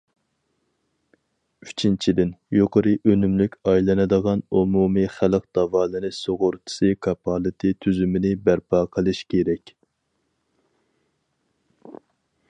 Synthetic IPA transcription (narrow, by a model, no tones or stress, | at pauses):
yt͡ʃʰint͡ʃʰid̪ɪnjoqʰəɾɨʔønymlykʲɑjlˠɨnɨd̪əʁɑnumumɨχæləq̚d̪̥ɑvɑːlˠɨnɨsoʁʊɾt̪ʰɨ̥sɨkʰɑpʰɑlˠɨt̪ʰɨt̪ʰyzymɪnɪbæɾpʰɑːqʰəlˠɨʃkʲʰeɾɛkʲ